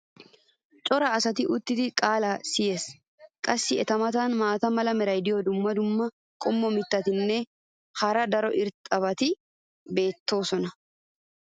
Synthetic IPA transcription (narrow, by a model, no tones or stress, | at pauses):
t͡ʃʼɔɾɐːsɐt̪ɪʔʊt̪ːɪd̪ɪkʼaːlasɪjeːs | kʼɐsːɪɛt̪ɐmɐt̪ɐnmaːt̪ɐmɐlɐmɛɾɐjd̪ɪjɔd̪ʊmːɐd̪ʊmːɐ | kʼɔmːɔmɪt̪ːɐt̪ɪnːɛ | hɐɾɐd̪ɐɾɔʔɪɾt̪ʼɐbɐt̪ɪ | be̞ːt̪ːo̞ːsɔnɐ